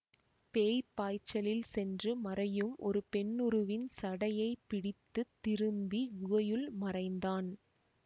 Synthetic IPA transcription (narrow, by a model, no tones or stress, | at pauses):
peːjpaːjt͡ʃːɐlɪlsɛndrɯmɐrɐjɯmʔɔɾɯpɛnːʊɾɯʋɪnsɐɽɐjɐɪpːɪɽɪt̪ːɯt̪ːɪɾɯmbiʊɐjɯlmɐrɐɪnd̪aːn